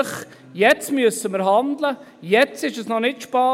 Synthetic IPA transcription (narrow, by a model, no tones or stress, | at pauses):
χ | jɛt͡smyəsəməɾɦɑnd̪lə | jɛt͡sɪʃəsnɔnɪtʃpɑː